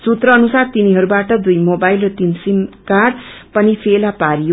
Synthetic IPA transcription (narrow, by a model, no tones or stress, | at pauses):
sut̪rʌʌnusart̪iniɦʌɾubaʈʌd̪ujmobajlrʌt̪insimkarɖpʌnipʰelapaɾijo